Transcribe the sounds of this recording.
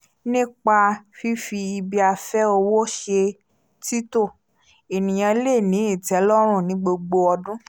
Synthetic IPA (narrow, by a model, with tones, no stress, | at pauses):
nĩ˦k͡pa˧fi˦fi˧i˧bi˧a˧fɛ˦o˧wo˦ʃe˧ | ti˦to˦˨ | e˨nĩ˨j̃ã˧˦le˦˨nĩ˨˦i˦˨tɛ˨˦lɔ˦ɾ̃ũ˦˨nĩ˨˦ɡ͡bo˧ɡ͡bo˧ɔ˧dũ˦